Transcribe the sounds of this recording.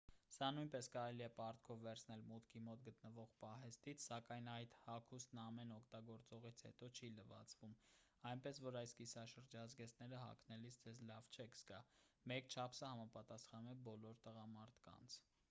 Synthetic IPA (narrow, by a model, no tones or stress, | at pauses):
sɑnujnpɛskɑɾɛliɛpɑɾt̪̚kʰɔvːɛɾt͡sʰnɛlmut̪kʰimɔt̪̚ɡət̪nəvɔʁpɑɦɛst̪it͡sʰsɑkɑjnɑjt̪hɑkʰust̪nɑmɛnɔkʰt̪ɑɡɔɾt͡sɔʁit͡sʰhɛ̰t̪ɔt͡ʃʰiləvɑ̰t͡svum | ɑjnpɛsvɔɾɑjskisɑʃəɾd͡ʒɑzɡɛsnɛɾəɦɑ̰kʰnɛlisd͡zɛzlɑvt͡ʃʰɛkʰsɡɑmɛkt͡ʃʰɑpʰsəhɑmɑpɑt̪ɑsχɑnumɛbɔlɔɾt̪əʁɑmɑɾt̪ʰkɑ̰nt͡sʰ